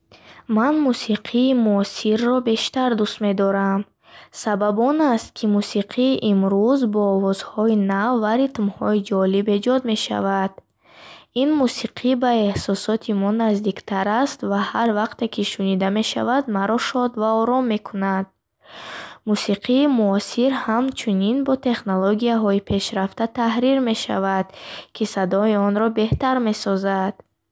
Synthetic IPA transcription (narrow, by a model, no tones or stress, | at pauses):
manmusiqʰiːmuɔsiɾːɔbe̞ʃt̪aɾd̪ust̪me̞d̪ɔɾam | sababɔnast̪̚kʰimusiqʰiʔimɾuzbɔːvɔz̥hɔinavːaɾit̪mhɔid͡ʒɔlibe̞d͡ʒɔd̪me̞ʃa̰vad̪̥ | inmusiqʰibae̞hsɔsɔt̪ʰimɔnazd̪ikt̪ʰaɾast̪vahaɾvaqt̪e̞kʰiʃunid̪ameʃa̰vad̪maɾɔʃɔd̪vaɔɾɔmːe̞kʰunad̪̥̚ | musiqʰiːmuɔsiɾhamt͡ʃʰuninbɔt̪ʰe̞χnoloɡiaɦɔipʰe̞ʃɾaft̪at̪ʰahɾiɾme̞ʃa̰vad̪̥kʰisad̪ɔiɔnɾɔbe̞ht̪aɾme̞sɔzad̪̥